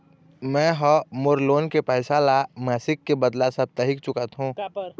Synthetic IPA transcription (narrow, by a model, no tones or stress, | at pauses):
mɛ̃ɦɔmʊɾloːnkepəɪsaːlamɛːsɪkːebəd̪lasəb̚t̪əɦɪkt͡ʃʊkət̪ɦũː